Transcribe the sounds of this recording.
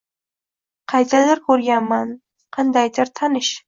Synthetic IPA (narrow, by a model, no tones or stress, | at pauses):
qʰɑjt̪ʰalɪɾkʰɵɾɡʲaman | qʰɑnd̪ajd̪ɪɾt̪ʰanɪʃ